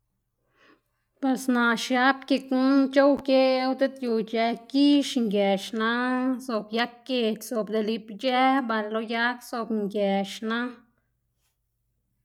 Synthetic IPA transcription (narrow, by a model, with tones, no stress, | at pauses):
pwe˨sna˨ʃja˦p̚ke˧ku˦t͡ʃo˦wke˦wt̪e˦t̪ju˧t͡ʃɛ˧ki˦ʃŋɡjɛ˨ʃna˦so˧˨bja˦kːe˧˨tʲso˨bd̪e˧li˧pd͡ʒɛ˦ba˧llo˧ja˦kso˧bŋɡjɛ˨ʃna˦